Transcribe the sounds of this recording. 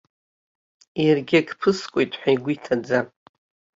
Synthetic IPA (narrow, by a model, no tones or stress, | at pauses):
irɡʲiaɡpʰɨskʷʼo̞jtʼħʷᶣajɡʷitʰad͡za